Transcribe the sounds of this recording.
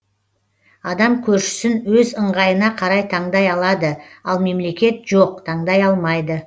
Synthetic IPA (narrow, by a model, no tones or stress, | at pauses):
ɑd̪ɑmkʲʰɵɾʃɪ̥sɪnwɵzəɴʁɑjənɑqʰɑɾɑjt̪ʰɑɴd̪ɑjɑlˠɑd̪əɑlˠme̞mle̞kʲe̞t̪ʒ̥oq̚t̪ʰɑɴd̪ɑjɑlˠmɑjd̪ə